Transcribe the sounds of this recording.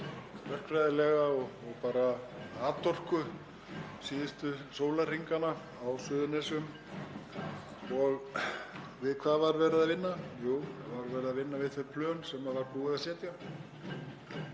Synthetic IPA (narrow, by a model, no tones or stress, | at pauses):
vɛr̥kfvɾajðɪlɛɣaɔɣɔɣpaːɾaaːt̪ʰɔr̥kʏ | siːðɪst̪ʏsoːwlar̥iŋkana | awsʏːðʏnɛsʏm | ɔɣ | vɪðkʰvaðvaɾvɛːɾɪðavɪnːajuːvaɾvɛːɾɪðavɪnːavɪðθɛɾpʰlœːnsɛmavaɾpuːɪðasjɛːt̪ja